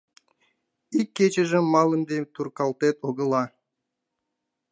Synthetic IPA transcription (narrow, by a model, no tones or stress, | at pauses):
ikʲːet͡ɕɘ̆ʒɘmːɑlˠə̆nd̪et̪urkɑlˠt̪et̪oɡə̆lˠɑ